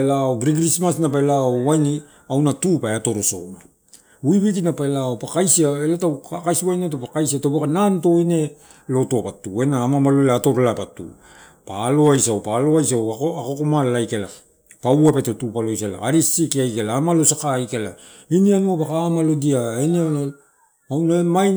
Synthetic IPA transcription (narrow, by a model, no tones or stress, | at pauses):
laoɡɾiɡɾismasnapaelaowajni | awnatupaeato̞ɾoso̰na | uiβit̬inapaelaopakajsiaelatawkakajsiwajnet̬opakajsiatopakananto̞ine̞ | lo̞tuapatue̞naːmamaloleato̞ɾlapatṵ | paːlo̞ajsawpaloajs̬aakokomalːajkela | pawape̞totupalo̞jsela̰aɾisikiajkelaːmalo̞sakaːjkela | inianuapakaːmalodiaeniana | awnaemaj